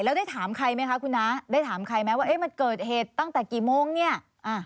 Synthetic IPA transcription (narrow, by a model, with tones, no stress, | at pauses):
lɛː˦˥wdaː˥˩jt̪ʰaː˩˦mkʰa˧jma˦˥jkʰa˦˥kʰu˧nːa˦˥daː˥˩jt̪ʰaː˩˦mkʰa˧jmɛː˦˥wa˥˩ʔe˦˥˩ma˧nkɤː˨˩t̪̚heː˨˩t̪ːa˥˩ŋt̪ɛː˨˩kiː˨˩moː˧˩ŋni˥˩ɐ | ʔaː˧˩